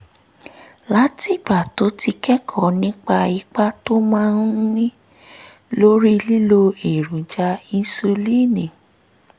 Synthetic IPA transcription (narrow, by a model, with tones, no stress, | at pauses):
la˦ti˦˨ba˨to˨˦ti˧kɛ˦kʰɔ˦˨nĩ˦k͡pa˧i˧˦k͡pa˦to˦mãː˦n̩˦nĩ˦ | lo˦ɾi˦li˦lo˧e˨ɾũ˨˦d͡ʒa˧ĩ˧n˦su˧li˦˨nĩ˨